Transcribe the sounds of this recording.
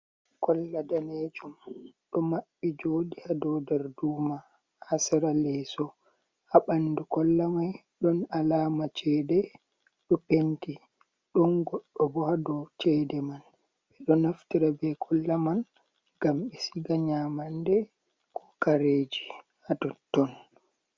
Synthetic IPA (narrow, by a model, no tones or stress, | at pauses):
kɔlːadaned͡ʒumɗɔmaɓːid͡ʒodihadɔdɛɾduːma | hasɛɾalɛsɔ | haɓandukɔlːamaj | ɗɔnalaːmat͡ʃɛdɛ | ɗɔpenti | ɗɔnɡɔɗːɔbɔhadɔt͡ʃɛdɛman | ɓɛɗɔnaftiɾabɛkʰɔlːaman | ɡ̥amɓɛsiɡaɲamandɛ | kʰɔ̥kaɾeːd͡ʒi | hadɔtːɔn